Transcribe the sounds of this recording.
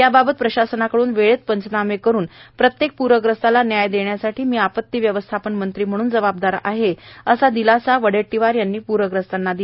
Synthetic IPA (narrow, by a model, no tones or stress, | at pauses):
jababət̪̚pɾəɕasənakəɽuːnʋeɭet͡s̪̚pənt͡sənamekəɾuːnpɾət̪jek̚puɾʋəɡɾəst̪alanjajd̪eɳjasaʈʰiːmiːapət̪ːiʋjəʋəst̪ʰapənmənt̪ɾiːm̤əɽ̃uːnd͡zəʋab̚d̪aɾa̰ɦeəsad̪ilasaʋəɽeʈːiʋaɾjanːiːpuɾʋəɡɾəst̪anːad̪i